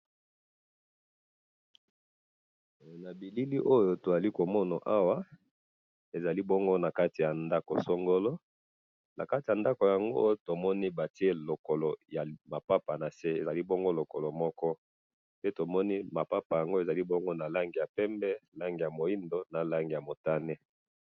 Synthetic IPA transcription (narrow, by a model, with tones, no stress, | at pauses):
na˨bi˨li˦li˦ʔo˦jo˦to˨za˨li˦ko˨mɔ˦na˨ʔa˦wa˦ | e˨za˨li˦bɔ˦ŋɡo˦na˨ka˦ti˨ja˨nda˦ko˨so˦ŋɡo˦lo˦ | na˨ka˦ti˨ja˨nda˦ko˨ja˨ŋɡo̰˦o˦to˨mɔ˦ni˦ba˨ti˦e˦lo˨ko˨lo˨ja˨ma˨pa˦pa˨na˨se˦e˨za˨li˦bɔ˦ŋɡo˦lo˨ko˨lo˨mɔ˦kɔ˦ | pe˦to˨mɔ˦ni˦ma˨pa˦pa˨ja˨ŋɡo˦e˨za˨li˦bɔ˦ŋɡo˦na˨la˦ŋɡi˨ja˨pɛ˦mbɛ˦la˦ŋɡi˨ja˨mo˨i˦ndo˦na˨la˦ŋɡi˨ja˨mo˨ta˦nɛ˦